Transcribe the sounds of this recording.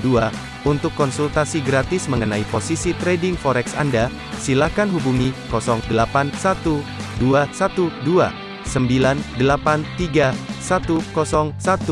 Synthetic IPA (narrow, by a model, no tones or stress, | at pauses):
dua | unt̪ʊkːɔnsult̪asiɡɾat̪ɪsməŋənaiposisit̪ɾedɪŋfɔɾɛksa̰nda | silahkanɦubuŋikɔsɔŋdəlapansat̪uduasat̪udua | səmbilandəlapant̪iɡasat̪ukɔsɔŋsat̪u